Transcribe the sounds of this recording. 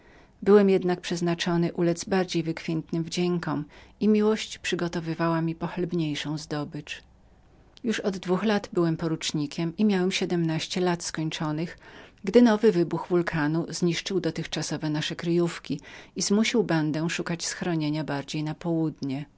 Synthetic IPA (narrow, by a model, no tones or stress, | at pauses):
bɘwɛmjɛd̪nak̚pʂɛznat͡ʂɔnɘʔulɛd̪zbaɾd͡ʑejvɘkfʲjɛnt̪nɘmvd͡ʑɛŋkɔmimʲiwɔɕt͡ɕpʂɘɡɔt̪ɔvɘvawamʲipɔxlɛbɲejʂɔ̃w̃zd̪ɔbɘt͡ʂ | juʂɔd̪ːvuxlat̪bɘwɛmpɔɾut͡ʂɲikʲɛmimʲjawɛmɕɛd̪ɛmnaɕt͡ɕɛlat̪skɔɲt͡ʂɔnɘxɡd̪ɘnɔvɘvɘbuxvulkʰanuzɲiʂt͡ʂɘwd̪ɔt̪ɘxt͡ʂasɔvɛnaʂɛkɾɘjufkʲiizmuɕiwband̪ɛw̃ʂukat͡ɕsxɾɔɲeɲabaɾd͡ʑejnapɔwud̪ɲɛ